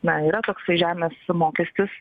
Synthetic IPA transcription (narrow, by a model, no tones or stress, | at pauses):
nɐiːɾɐt̪oːksɐɪʒʲæːmʲeːsmoːkʲɛsʲt̪ʲɪs